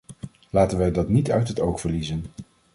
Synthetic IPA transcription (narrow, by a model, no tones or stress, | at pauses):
laːtənʋɛjdɑtnitœɥtɦətowχfəɹlizən